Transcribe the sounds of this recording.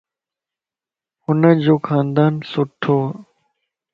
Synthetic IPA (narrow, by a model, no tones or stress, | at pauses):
hʊnəd͡ʑoːkʰãːnd̪aːnsʊʈʰːoː